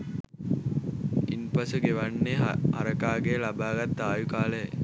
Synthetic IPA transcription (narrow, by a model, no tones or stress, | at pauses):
inpɐsəɡeʋɐnːeɐ̰ɾəkaːɡeːlɐbaːɡɐt̪ːaːjukaːle